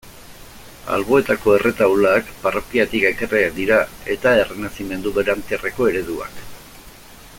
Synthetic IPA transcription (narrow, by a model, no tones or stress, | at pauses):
a̰lβo̞e̞t̪ako̞e̞re̞t̪awlaːkparo̞kiat̪ikekereakd̪iɾae̞t̪ae̞renasime̞nd̪uβeɾant̪iare̞ko̞e̞ɾe̞ðua̰k